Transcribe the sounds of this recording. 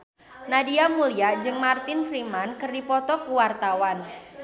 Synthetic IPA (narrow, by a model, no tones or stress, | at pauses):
nadiamuliad͡ʒɨŋmart̪ɪnfɾimankɨrdipɔt̪ɔkuwart̪awan